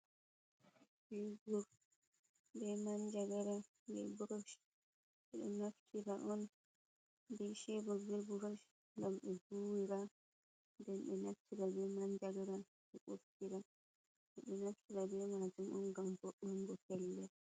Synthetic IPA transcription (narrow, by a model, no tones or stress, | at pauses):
bɛɡɔɾ | bɛmand͡ʒaɡɛɾa | bɛ̰buɾaʃ | ɛɗɔnaftʰiɾaʔɔn | dɛʃɛbɔɡɛbuɾaʃ | lamɓɛbuwiɾa | ndɛmɓɛnaftʰiɾabɛmand͡ʒaɡɛɾa | ɓɛɓofkiɾa | ɛɗɛnafkiɾabɛmad͡ʒumʔɔnɡambɔɓɔŋɡɔkɛlːɛ